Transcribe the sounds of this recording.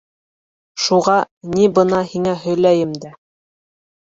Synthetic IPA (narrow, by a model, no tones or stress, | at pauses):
ʃuʁɑ | nibɤ̆nɑhiŋæɦɵ̆jlæjɘmd̪æ